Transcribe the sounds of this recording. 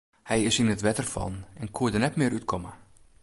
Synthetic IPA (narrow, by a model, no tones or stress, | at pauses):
hɛjɪsinətʋɛtərfɔ̰nɛnkʰuədərnɛtmɪəɾytkʰomə